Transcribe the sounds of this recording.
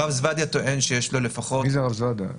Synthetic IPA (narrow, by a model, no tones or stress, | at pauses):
avzvad̪at̪o̞ʔenʃejeʃlo̞le̞faχoizeʁavzvad̪a̰